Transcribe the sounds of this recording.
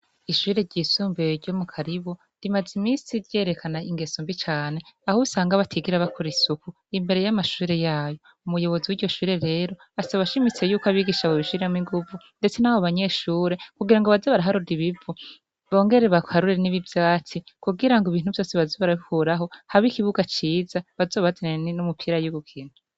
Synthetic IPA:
iʃuːɾe̞ɾɟiːsuːmbeɾɟo̞mukʰaɾiβo | ɾimazimiːsiɾje̞ːɾe̞kʰanaiŋɡe̞suːmbit͡ʃaːne̞ahosaːŋɡaβatʰiɡiɾaβakʰuɾisuku | imbe̞ɾe̞jamaʃuːɾe̞jaːjo̞ | umujo̞βo̞ziwiːɾɟo̞ʃuːɾe̞ɾe̞ːɾo̞ | asaβaʃimit͡se̞juːkoaβiɡiʃaβoβiʃuɾiɾemiŋɡuvu | nde̞t͡senaβoβaɲe̞ʃuːɾe̞kuɡiɾaŋɡo̞βazoβaɾaɦaɾuɾiβivu | βo̞ːŋɡe̞ɾe̞βahaɾuɾieniβivjaːt͡sikuɡiɾaŋɡoiβiːn̥huvjo̞ːse̞βazoβaɾahuɾaɦo̞haβikiβuɡat͡ʃiːzaβazo̞ːβazeneninumupʰiːɾajuɡukʰiːn̥hu

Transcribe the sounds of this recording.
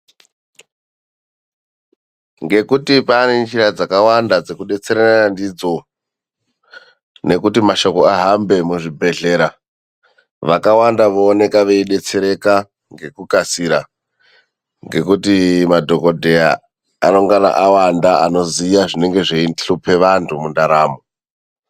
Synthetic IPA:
ŋɡe̞kutipanent͡ʃiɾad͡zakawandad͡zekuɗe̞t͡seɾananandid͡zo̞ | ne̞kutimaʃo̞ko̞aɦambe̞muʐibʱe̞ɮe̞ɾa | ʋakawandaʋoːne̞kaʋeiɗe̞t͡se̞ɾe̞ka | ŋɡe̞kukasiɾa | ŋɡe̞kutimadʱo̞ko̞dʱe̞a̰ | ano̞ŋɡana̰ʔawandaano̞ziijaʐine̞ŋɡe̞ʐeinɬupʰe̞ʋantʰumundaɾaːmo

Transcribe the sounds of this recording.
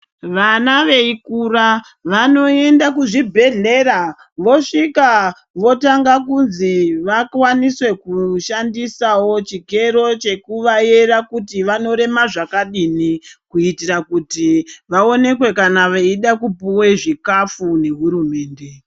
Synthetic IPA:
ʋanaʋe̞ikuɾa | ʋano̞e̞ndakuʐibʱe̞ɮe̞ɾa | ʋo̞ʂika | ʋo̞taŋɡakunziʋakwaniswe̞kuʃandisawo̞t͡ʃike̞ɾo̞t͡ʃe̞kuʋaje̞rakutiʋano̞ɾe̞maʐakaɗinikuitirakutiʋao̞ne̞kwe̞kanaʋeiɗakupuweʐikafune̞ɦuɾume̞ːnde̞

